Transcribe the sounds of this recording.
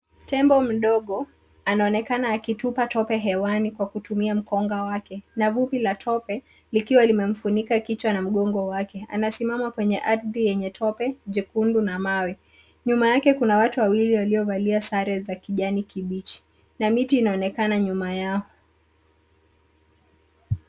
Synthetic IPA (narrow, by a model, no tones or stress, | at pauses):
tɛmbɔm̩ɗɔɠɔ | anaɔnɛkanaːkitupatʰɔpɛɦɛwanikwakutumiam̩kɔŋɡawakɛnavupilatʰɔpɛ | likiwalimɛm̩funikakit͡ʃwanam̩ɠɔŋɡɔwakɛa̰nasimamakwɛɲɛʔaɾðijɛɲɛtʰɔpɛʄikundunamawɛ | ɲumajakɛkunawatuwawiliwaliɔvaliasaɾɛzakiʄanikiɓit͡ʃi̥ | namitiːnaɔnɛkanaɲumajakɔ